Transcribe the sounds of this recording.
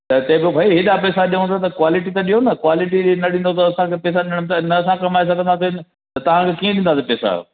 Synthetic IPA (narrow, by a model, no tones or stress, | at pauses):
t̪ɐt̪ɐ̃ɦɪ̃bɪbʱaːiɦɪɗapɛːsaɗiũt̪ʰat̪ɐkwaːlɪʈit̪ɐɗiɦonɐkwaːlɪʈinɐɗĩːn̆d̪ot̪ɐɐsãkʰepɛːsaɗɪ̃nɽ̃mt̪aɪnɐɐsãkɐmaːes̬akɐ̃nd̪asen | t̪ɐt̪ɐʋ̤ãkʰekiːẽnɗĩnd̪aːsepɛːsa̰